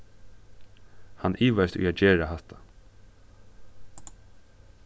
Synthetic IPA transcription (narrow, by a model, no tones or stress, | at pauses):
hanʔiːʋaɪst̪ʊ̰jaːt̪̚d͡ʒeːɹaɦaht̪ʰḁ